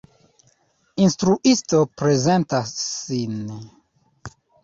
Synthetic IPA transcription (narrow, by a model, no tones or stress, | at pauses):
instɾuʔisto̞pɾe̞zentasːin